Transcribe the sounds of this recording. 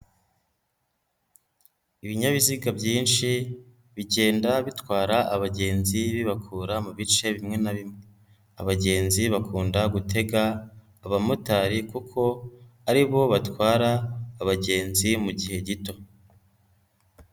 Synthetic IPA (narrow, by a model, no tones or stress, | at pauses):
iβiɲaβiziɡabɟiːnʃi | βiɟe̞ːndaβitwaːɾaʔːβaɟe̞ːnziβiβakʰuːɾamuβit͡ʃe̞βimŋe̞naβimŋe | a̰βaɟe̞ːnziβakuːndaɡutʰe̞ɡaː | βamutaɾikukʰo̞aɾiβo̞βatwaːɾaːβaɟe̞ːnzimuɟihe̞ɟito̞